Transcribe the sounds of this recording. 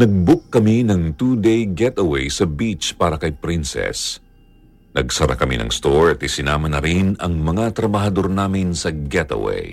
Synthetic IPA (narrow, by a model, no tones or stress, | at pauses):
nɐɡ̚bʊk̚ːɐminɐŋt̪ud̪ejɡɛt̪ɐwɛjsɐbit͡ʃpaːɾɐkɐjpɾinsɛ̰s | nɐɡsɐɾa̰kɐmḭnɐ̰ŋst̪oɹɐt̪ɪsɪnaːmɐnɐɾinɐŋmɐŋat̪ɾɐbɐɦɐd̪o̞ɾnaːmɪnsɐɡɛt̪ɐ̰wɛ̰j